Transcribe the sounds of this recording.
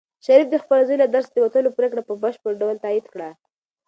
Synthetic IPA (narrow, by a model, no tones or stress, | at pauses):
ʃaɾifd̪əxpaɾazojlad̪aɾsd̪əwat̪əlopɾekɽapəbəʃpəɽɖawəlt̪aid̪kɽa